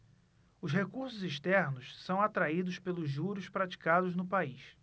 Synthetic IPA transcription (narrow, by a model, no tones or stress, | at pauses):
ʊzɦekuɾsʊziʃt̪ɛɾnʊssɐ̃w̃at̪ɾaid̪ʊspelʊzʒuɾʊʃpɾat͡ʃi̥kad̪ʊznʊpaiʃ